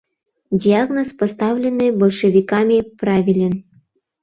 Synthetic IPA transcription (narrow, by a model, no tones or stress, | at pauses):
dʲiaɣnospost̪ɑwlʲenːɨbolʲʃəvʲikamʲipravʲilʲen